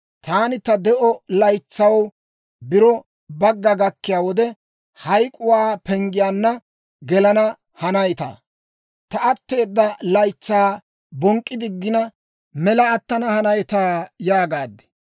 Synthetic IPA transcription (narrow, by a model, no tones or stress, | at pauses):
t̪aːnɪt̪ɐd̪ɛʔɔlɐjt͡sːɐw | bɪɾɔ | bɐɡːɐɡɐkːɪjaːwɔd̪ɛ | hɐjkʼʊwaːpɛŋɡɪjaːnːɐ | ɡɛlɐnɐ | hɐnɐjt̪a̰ː | t̪ɐʔɐt̪ːe̞ːd̪ːɐlɐjt͡sːaː | bɔŋkʼːɪd̪ɪɡːɪnɐ | mɛlɐːt̪ːɐnɐhɐnɐjt̪aːjaːɡaːd̪ːɛ̥